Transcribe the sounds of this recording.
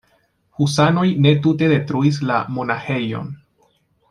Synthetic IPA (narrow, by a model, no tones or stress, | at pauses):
husano̞jne̞tute̞de̞tɾuis̬la̰mo̞naxe̞jo̞̰n